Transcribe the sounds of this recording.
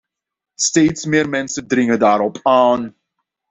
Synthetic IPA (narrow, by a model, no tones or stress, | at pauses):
steːtsmɪːrmɛnsəndrɪŋədaːɾɔpʰaːn